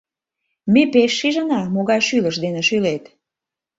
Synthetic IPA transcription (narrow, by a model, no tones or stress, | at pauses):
mepeʃːiʒənɑmoɣɑjʃyləʃd̪enĕʃylet̪